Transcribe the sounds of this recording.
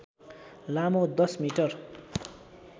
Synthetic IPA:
lamod̪ʌsmiʈʌr

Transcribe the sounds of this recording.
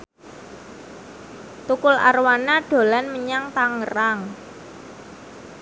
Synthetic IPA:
t̪ukʊla̰rwanaɖ̥o̤lanməɲaŋt̪aŋəɾaŋ

